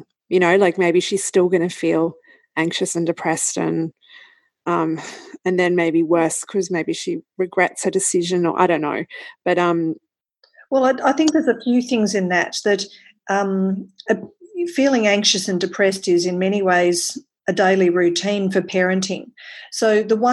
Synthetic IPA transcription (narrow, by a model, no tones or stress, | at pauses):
jɨñoʊlaɪk̚meɪbiʃiz̥stɪlˠɡʌñɨfilˠ | ʔæ̃ŋkʃɨsɨ̃ndɨpʰɹ̥ɛstɨ̰̃n | ʌ̃mɨ̃nðɨ̃nmeɪbiwɜ˞skʰʌzmeɪbiʃiɹɨɡɹɛtshə˞dɨsɪʒɨ̃nə̰˞ʔa̰ɪɾõʊ̃nːo̰ʊb̥ʌɾʌ̃m | wɛlˠaɪaɪθɪ̃ŋk̚ðə˞zɨfjʉθɪ̃ŋzɨ̃nðɨt̪̚ðɨɾ | ʔʌ̃mɨifilˠɪ̃ŋæ̃ŋkʃɨsɨ̃ndɨpʰɹ̥ɛstɪzɨ̃nmɛɾ̃iweɪz | ɨdeɪlˠiɹʉtʰĩnfə˞pʰɛɹɨ̃ntʰɪ̃ŋsoʊðəwʌ̃